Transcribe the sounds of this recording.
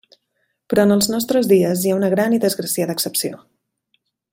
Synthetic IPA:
pɾɔənəlˠznɔst̪ɾəzðiəzjaunəɣ̞ɾaniðəzɣɾəsiaðəːksəpsio̰

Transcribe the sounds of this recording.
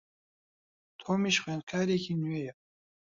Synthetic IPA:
t̪ʰoːmiʃxweːnkʰaːɾekʰiːnuwejɛ

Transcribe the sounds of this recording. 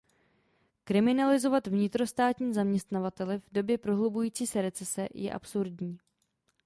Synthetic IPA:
kɾɪmɪnalɪzo̞vat̪vɲɪt̪ɾo̞st̪aːt̪ɲiːzamɲɛst̪navat̪ɛlɪvdo̞bjɛpɾo̞ɦlubujiːt͡siːsɛɾɛt͡sɛsɛjɛ̰ʔa̰psuɾdɲiː

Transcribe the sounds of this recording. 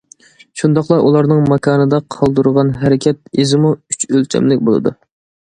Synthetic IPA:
ʃund̪ɑχlˠɑʔulˠɑɾnɨŋmɑkʰɑːnɨd̪ɑqʰɑlˠd̪uɾəʁɑnɦæɾɪkʲʰɛt̪̚ezɪmuyt͡ʃʰølt͡ʃʲʰɛ̰mlɪkʲbolˠɨ̰d̪u

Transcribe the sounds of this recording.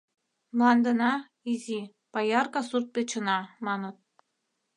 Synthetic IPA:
mlˠɑnd̪ɤ̆nɑ | izʲi | pɑjɑrkɑsurt̪̚pʲet͡ɕə̆nɑmɑnɤ̆t̪̚

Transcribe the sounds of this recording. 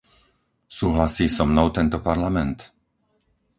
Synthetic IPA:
suːɦlasiːsɔmnɔʊt̪ɛnt̪ɔpaɾlamɛnt̪

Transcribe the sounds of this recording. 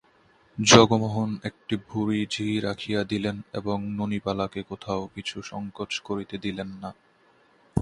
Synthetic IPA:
d͡ʑɔɡomoɦonek̚ʈibʱuɾid͡ʑʱiɾakʰijad̪ilenḛboŋnonipalakekot̪ʰaokit͡ɕʰuʃɔŋkot͡ɕkoɾit̪ed̪ilenːa

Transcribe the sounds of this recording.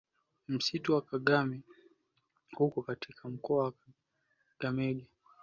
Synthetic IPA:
m̩situwakaɠami | hukɔkatʰikʰam̩kɔawa | ɡ̥amɛɡa

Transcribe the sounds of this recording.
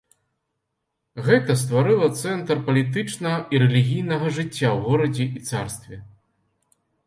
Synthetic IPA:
ɣɛt̪ɐs̬t̪vaɾɨlˠɐt̪sɛnt̪rpɐlʲit̪ɨt͡ʂnɐɐiɾɛlʲiɣʲijnɐɣɐʐɨt͡sʲːawɣɔɾɐd͡zʲɛʔit̪sarst̪vʲɛ

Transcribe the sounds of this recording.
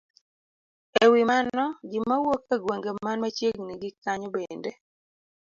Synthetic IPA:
ewɪmanɔɡɪmawokaɡweŋɡemanmat͡ʃjeɡniɡɪkːaɲɔbende

